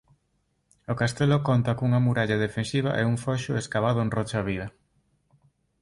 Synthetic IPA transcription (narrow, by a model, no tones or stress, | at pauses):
okast̪elokont̪ɐkuŋɐmuɾaʎað̞efensiβ̞a̰ʔɛ̰uŋfɔʃʊeskaβaðʊenrɔt͡ʃaβiðɐ